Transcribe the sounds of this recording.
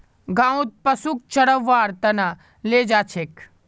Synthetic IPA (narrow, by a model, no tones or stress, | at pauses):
ɡãːw̃t̪̚pɐsuk̚t͡ʃɐɽəʋːaːɾt̪ɐna | leːd͡ʒaːt͡ʃʰek